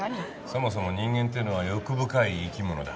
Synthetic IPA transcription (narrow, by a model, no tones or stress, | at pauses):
so̞mo̞s̬o̞mo̞ɲ̟ĩŋɡẽnt̪̬ejɯnoβ̞ajo̞kɯ̟bɯ̟kaiːkʲimo̞nod̪a